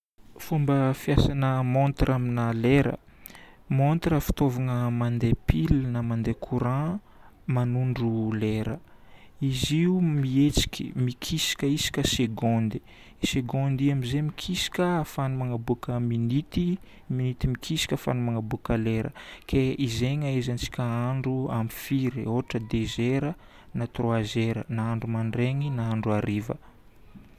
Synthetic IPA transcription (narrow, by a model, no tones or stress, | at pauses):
fumbəfjasanəmont̪rʔaminaleɾə̰ | mont̪rəfi̥t̪ovanəmand̪epilnəmand̪ekʰuɾã | manuɳɖ͡ʐuleɾə | iziumiet͡si̥kʲi̥̰mikʰisi̥kʲəisi̥kʲəseɡɔ̃nd̪i | seɡond̪iamizemikʰisi̥kʲəfanumanabukəminit̪i | minit̪imikʰisi̥kʲəfa̰numaŋabukəleɾʔə̰kʰeizeŋaezant͡si̥kʲəaɳɖ͡ʐuamifiɾoɦʈ͡ʂəd̪ezeɾə | nat̪roazeɾənaaɳɖ͡ʐumaɳɖ͡ʐeŋinaaɳɖ͡ʐuaɾivə̰